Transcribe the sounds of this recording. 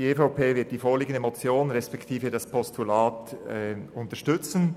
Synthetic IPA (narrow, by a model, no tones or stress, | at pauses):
ieːfaʊpʰeːvɪɐt̚d̥iːfoːliːɡən̩dəmot͡sjoːnɾɛspɛktʰiːfədaspʰɔstulaːtɛʊntəʃtʏt͡sn̩